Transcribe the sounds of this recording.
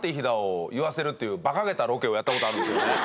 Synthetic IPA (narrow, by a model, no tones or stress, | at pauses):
t̪ːeiçid̪aojɯβase̞ɾɯ̟t̪ːe̞jɯ̟ːbakaɡe̞t̪aɾo̞ke̞o̞jat̪ːakot̪oaɾɯ̟̃nd̪esɨjonne